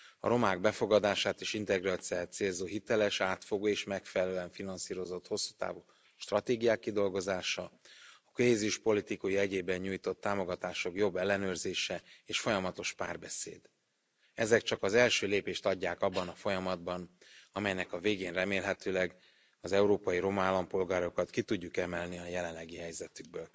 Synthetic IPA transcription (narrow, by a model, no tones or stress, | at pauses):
ɒ̰ɾo̞maːɡ̚bɛfo̞ɡɒd̪aːʃaːt̪eːʃint̪ɛɡroːt̪siaːt̪seːlzoːɦit̪ɛlɛʃaːt̪fo̞ɡoːeːʃmɛkfɛlɛlɛyɛɱfinɒnsiːɾo̞zo̞t̪ho̞sːu̥ːt̪a̰ːvuː | ʃt̪rɒt̪eːɡijaːkːid̪o̞lɡo̞zaːʃɒɒkoɦeːziuʃpo̞lit̪ikujiɛɟeːbɛɲɲuːjt̪o̞t̪ːaːmo̞ɡɒt̪aːʃo̞kjo̞bːɛlːɛnøːrzeːʃɛeːʃfo̞jɒmɒt̪o̞ʃpa̰ːrbɛsḛːd̪ | ɛzɛkt͡ʃɒkɒzɛlʃøːleːpeːʃt̪ɒɟːaːkɒbːɒnɒfo̞jɒmɒd̪bɒnɒmɛjnɛkɒveːɡeːnrɛmeːlɦɛt̪øːlɛɡ | ɒzɛuɾoːpɒjiɾo̞mɒaːlːɒmpo̞lɡaːɾo̞kɒt̪kit̪uɟːukɛmɛlniɒjɛlɛnlːɛɡiɦɛjzɛt̪yɡ̚bøːl